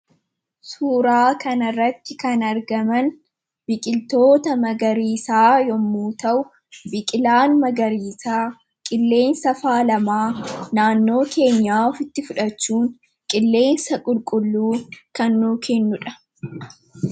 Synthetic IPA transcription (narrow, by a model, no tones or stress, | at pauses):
suːɾaːkɐnɐrːɐt̪ːɪkɐnɐɾɡɐmɐn | bɪkʼɪlt̪o̞ːt̪ɐmɐɡɐɾiːsaːjɔmːuːt̪ɐʔʊ | bɪkʼɪlaːnmɐɡɐɾiːsaː | kʼɪlːe̞ːnsɐfaːlɐmaːnaːnːo̞ːke̞ːɲːaːfɪt̪ːɪfʊᶑɐt͡ʃːuːŋ | kʼɪlːe̞ːnsɐkʼʊlkʼʊlːuːkɐnːuːkɛnːʊᶑɐ